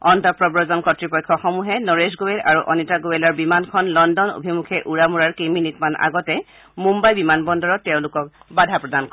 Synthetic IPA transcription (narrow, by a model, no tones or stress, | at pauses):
ɔntɔpɹɔbɹɔzɔnkɔtɹipɔjkʰːɔxɔmuɦɛnɔɹesɡowelaɹuʔɔnitaɡowelaɹbimankʰɔnlɔndɔno̰bʱimukʰɛʔuɹamuɹaɹkeminitmanʔa̰ɡɔtɛ | mumbajbimanbɔndɔɹɔtːɛʊ̃lʊkɔk | badʱapɹɔdank